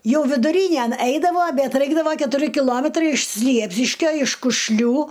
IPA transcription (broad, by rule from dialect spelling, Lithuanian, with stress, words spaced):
ˈjɛʊ ʋʲɪdʊˈrʲiːnʲæn ˈɐɪdɐʋoː ˈbʲɛt ˈrɐɪɡdɐʋoː kʲɛtʊˈrʲɪ kʲɪˈlˠoːmʲɛtrɐɪ ɪʃ ˈsʲlʲiɛpʲsʲɪʃʲkʲoː ɪʃ kʊʃʲˈlʲuː